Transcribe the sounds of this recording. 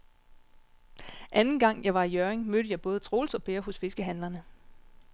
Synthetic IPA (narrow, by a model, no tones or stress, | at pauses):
ʔænn̩ɡ̥ɑ̈ŋ̰jɑ̈ɪʋɑ̈ijøɐeŋmød̥əjɑ̈ɪb̥ɔ̽ːð̞ˠət͡sʰʁo̝ːlsɒ̽b̥eːɐɦɔ̽sfe̝sɡ̥əɦænlɐnə